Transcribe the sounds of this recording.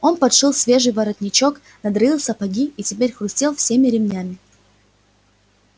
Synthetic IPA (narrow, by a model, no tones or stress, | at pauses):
o̞npɐt̪ʂɨlˠsʲvʲe̞ʐɨjvɐɾɐt̪ʲnʲɪt͡ɕo̞k | nɐd̪ɾɐilˠsɐpɐɡʲiitʲɪpʲeɾʲxɾʊsʲtʲelˠfsʲemʲɪɾʲɪmnʲæmʲɪ